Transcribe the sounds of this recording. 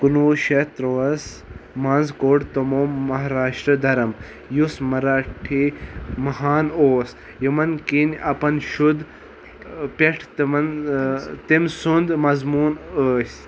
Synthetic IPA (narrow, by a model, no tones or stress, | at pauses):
kunoːʃet̪ɾoʋɐs | maːnzkoːɖt̪omoːmːɐɦaɾaːʃʈɾɐd̪ɐɾɐm | jusmɐɾaʈʰimɐɦaːnoːs | jimɐnkinʲɐpɐnʃud̪ | pʲeʈʰt̪mɐn | t̪imsund̪mɐzmuːnəːsʲ